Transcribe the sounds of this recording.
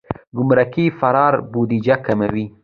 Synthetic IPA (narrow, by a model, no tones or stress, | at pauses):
ɡʊmɾakifaɾɑɾbud̪id͡ʒakamawi